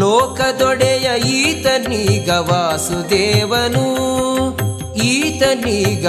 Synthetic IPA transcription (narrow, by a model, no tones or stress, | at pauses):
oːkɐd̪ɔɽɛjɐiːt̪ɐnːiɡɐʋaːsud̪eːʋɐnu | iːt̪ɐnːiɡ